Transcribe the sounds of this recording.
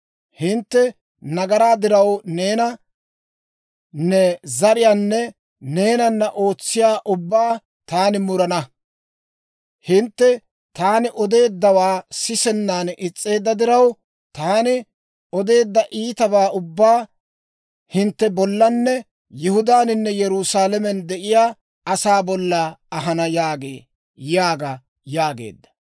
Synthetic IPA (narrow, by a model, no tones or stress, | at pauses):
hɪnt̪ːɛ | nɐɡɐɾaːd̪ɪɾɐwne̞ːnɐ | nːɛzɐɾɪjaːnːɛ | ne̞ːnɐnːɐʔo̞ːt͡sːɪjaːʔʊbːaː | t̪aːnɪmʊɾɐnɐ | hɪnt̪ːɛ | t̪aːnɪʔɔd̪e̞ːd̪ːɐwaːsɪsɛnːaːnɪt͡sʼːe̞ːd̪ːɐd̪ɪɾɐw | t̪aːnɪ | ɔd̪e̞ːd̪ːɐʔiːt̪ɐbaːʊbːaː | hɪnt̪ːɛbɔlːɐnːɛ | jʊhʊd̪aːnɪnːɛjɛɾusaːlɛmɛnd̪ɛʔɪjaː | ɐsaːbɔlːɐɐɦɐnɐjaːɡḛː | jaːɡɐ | jaːɡḛːd̪ːɐ̥